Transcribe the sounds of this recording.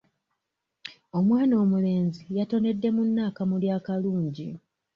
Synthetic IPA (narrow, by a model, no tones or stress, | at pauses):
o̞mwaːno̞ːmule̞ːnzijato̞ne̞dːe̞munːaːkamuljaːkaluːɲɟḭ